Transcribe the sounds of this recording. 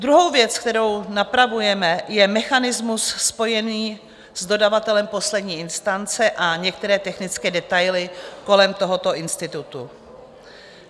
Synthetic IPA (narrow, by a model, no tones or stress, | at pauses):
d̪ɾuɦo̞wvjɛt͡sk̚t̪ɛɾo̞wnapɾavujɛmɛjɛmɛxanɪzmusːpo̞jɛniː | zdo̞davat̪ɛlɛmpo̞slɛdɲiːɪnst̪ant͡sɛʔaɲɛk̚t̪ɛɾɛːt̪ɛxnɪt͡skɛːdɛt̪ajlɪko̞lɛmt̪oɦo̞t̪o̞ʔɪnst̪ɪt̪ut̪u